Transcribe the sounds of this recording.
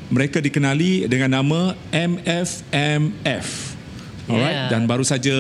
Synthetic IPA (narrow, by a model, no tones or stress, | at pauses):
məɾekadikənalidəŋãnːamãɛmɛfɛmɛf | ɔlɹajt̚danbaɾusad͡ʒa